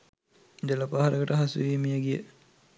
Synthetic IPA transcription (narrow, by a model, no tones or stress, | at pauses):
dəlapaːɦaɾəɡəʈəɦasṵʋiːmijəɡijə